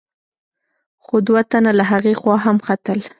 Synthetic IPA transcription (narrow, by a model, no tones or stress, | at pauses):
xod̪wat̪analaɦaɣexwɑɦamxat̪əl